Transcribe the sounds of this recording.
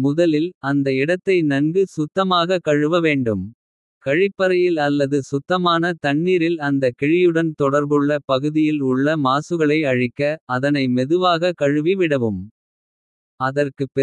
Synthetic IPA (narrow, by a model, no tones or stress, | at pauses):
mʊðɐlɪlɐnd̪ɐɪɽɐt̪ːɐɪnɐŋɡɯsʊt̪ːɐmaːɣɐkɐɻɯʋɐʋeːɳɖɯm | kɐɻɪpːɐɾɐjɪlɐlːɐðɯsʊt̪ːɐmaːnɐt̪ɐɳːiːɾɪlɐnd̪ɐkɛɻɪjɯɽɐnt̪ɔɽɐɾbɯɭːɐpɐɣɯðɪjɪlʊɭːɐmaːsɯɣɐɭɐɪɐɻɪkːɐːðɐnɐɪmɛðɯʋaːɣɐkɐɻɯʋiʋɪɽɐʋɯm | ɐðɐrkɯpɛ